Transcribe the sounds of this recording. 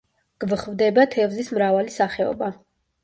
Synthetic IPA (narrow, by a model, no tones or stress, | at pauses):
ɡ̥vχvd̪ɛbat̪ʰɛvzismɾavalisaχɛɔ̰ba